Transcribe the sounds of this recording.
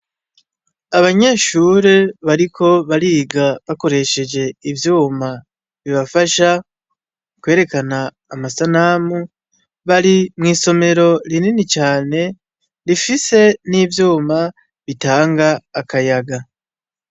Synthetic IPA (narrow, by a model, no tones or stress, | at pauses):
aβaɲe̞ːʃuːɾe̞βaɾikʰo̞βaɾiːɡaβako̞ɾe̞ʃe̞d͡ʒe̞ivjuːma | βiβafaʃa | kwe̞ːɾe̞kanaː | masanaːmu | βaɾimŋiːso̞me̞ɾo̞ɾininit͡ʃaːne̞ | ɾifise̞nivjuːma | βitaːŋɡaːkʰajaɡa